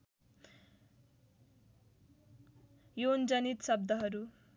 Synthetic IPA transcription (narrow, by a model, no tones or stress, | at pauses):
jond͡zʌnit̪sʌb̚d̪ʱʌɦʌɾu